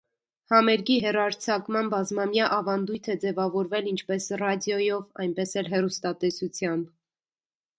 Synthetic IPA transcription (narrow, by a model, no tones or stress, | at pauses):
hɑmɛɾɡiɦɛrɑɾt͡sʰɑkmɑnbɑzmɑmjɑʔɑvɑnd̪ujt̪ʰɛd͡zɛvɑvɔɾvɛlint͡ʃʰpɛsrɑd̪jɔjɔvɑjnpɛsɛlɦɛrust̪ɑt̪ɛsut͡sʰjɑmb